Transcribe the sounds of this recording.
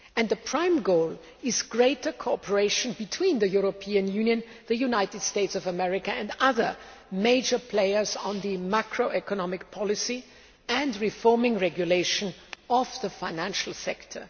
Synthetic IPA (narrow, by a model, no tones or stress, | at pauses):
ɨ̃nðəpʰɹ̥ãɪ̃mɡoʊlˠ | ɪzɡɹeɪtə˞kʰopʰə˞eɪʃɨ̃nbɨtʰw̥ĩnðɨjuɹopʰiɨ̃njʉ̃njɨ̃n | ðɨjunaɪtɨd̥steɪtsʌvəmɛɹɪkaɨ̃ndʌðə˞ | meɪd͡ʒə˞pʰl̥eɪə˞z̃n̩ðɨmakʰɹoʊɛkənɑmɪk̚pʰɑlˠɪsi | ɨ̃nɹɪfɔɹmɪ̃ŋɹɛɡjuleɪʃɨ̃nʌvðəfaɪ̃næ̃nʃl̩ˠsɛktʰə̰˞